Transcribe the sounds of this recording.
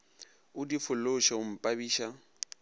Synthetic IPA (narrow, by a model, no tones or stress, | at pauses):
ʊdifʊloʃaʊm̩pʼabiːʃa